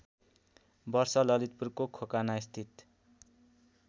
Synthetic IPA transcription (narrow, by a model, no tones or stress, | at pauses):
bʌrsʌlʌlit̪̚purkokʰokanaist̪ʰit̪